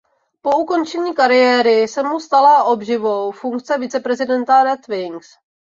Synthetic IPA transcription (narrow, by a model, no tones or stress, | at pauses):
po̞uko̞nt͡ʃɛɲiːkaɾɪjɛːɾɪsɛmɦust̪alaʔo̞bʒɪvo̞wfuŋkt͡sɛvɪt͡sɛpɾɛzɪdɛnt̪aɾɛt̪vɪŋks